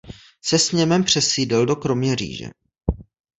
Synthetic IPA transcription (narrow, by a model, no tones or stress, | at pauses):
sɛsɲɛmɛmpr̝̥ɛsiːdɪldo̞kɾo̞mɲɛrḭːʒɛ̰